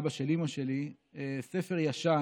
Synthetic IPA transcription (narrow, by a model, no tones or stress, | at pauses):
baʃelimoʃeli | esefeʁjaʃa